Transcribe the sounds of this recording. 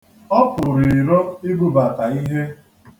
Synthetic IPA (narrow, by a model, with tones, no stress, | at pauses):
ɔ˦pʊ˨ɾi˨ɾo˦i˦ɡu˦ba˨ka˨i˦ɦe˦